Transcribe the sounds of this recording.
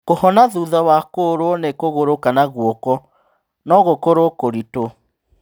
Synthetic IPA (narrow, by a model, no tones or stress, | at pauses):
kohɔnaðuðawakoɾwɔnekoɣoɾokanaɣwɔkɔ | nɔɣokoɾokoɾito